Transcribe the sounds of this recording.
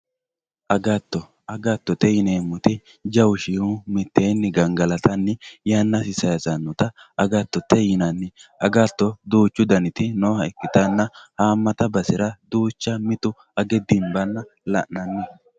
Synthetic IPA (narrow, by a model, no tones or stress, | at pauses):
ʔɐɡat̪ːɔ | ɐɡat̪ːɔt̪ɛjɪneːmːʊt̪ɪ | d͡ʒɐwʊʃɪhumɪt̪ːeːnːɪɡɐŋɡɐlɐt̪ɐnːɪjanːɐsɪsɐjɐzɐnːɔt̪ɐɐɡat̪ːɔt̪ːɛjɪnɐnːɪɐɡat̪ːɔd̪uːt͡ʃːʊd̪ɐnɪt̪ɪnohɐɪkːɪt̪ɐnːɐhaːmːɐt̪ɐbɐsɪɾɐd̪uːt͡ʃːɐmɪt̪ʊ | ɐɡɛd̪ɪmbɐnːɐlɐ̰ʔnɐnːɪ